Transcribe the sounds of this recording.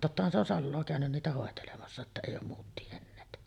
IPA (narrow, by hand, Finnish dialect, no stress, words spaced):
totːɑhɑn se on sɑlːoː kæˑønyn niːtæ hoˑetelemɑsːɑ etːæ eˑijˑ oːm muːt tienːeːt